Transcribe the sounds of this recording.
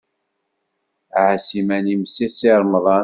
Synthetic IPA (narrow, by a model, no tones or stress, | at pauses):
ʕasimænimsisiɾˤmðˤɑ